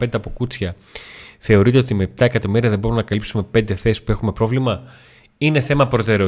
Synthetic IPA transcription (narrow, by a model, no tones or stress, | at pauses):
end̪e̞ɐpo̞kut͡sçɐ | θe̞o̞ɾit̪e̞o̞t̪imeːp̚t̪ɐekɐt̪o̞miɾiɐðe̞bo̞ɾumenɐkɐlipsume̞pe̞nd̪e̞θesi̥spue̞xume̞pɾo̞vlimɐ | ine̞θe̞mɐpɾo̞t̪e̞ɾe